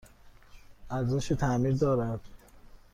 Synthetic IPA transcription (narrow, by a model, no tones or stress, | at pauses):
æɾzoʃit̪ʰæmiːɾd̪ɒːɾæd̪̥